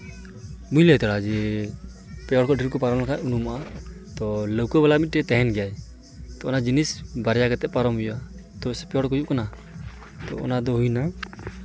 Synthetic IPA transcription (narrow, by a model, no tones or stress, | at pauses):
bujlɛt̪ɛɽad͡ʒɛ | pɛɔɽkʰɔʈiɾkɔpaɾɔmlakʰaʔunumat̪ɔləwkɔbɛlamit̪̚ʈɛt̪ɛɦɛnɡɛjaj | t̪ɔɔnad͡ʒinisbaɾjakɛt̪ɛʔ̚paɾɔmujuat̪ɔsɛpɛɔɽkɔjuʔkana | t̪ɔ̰ɔ̰nad̪ɔɦujna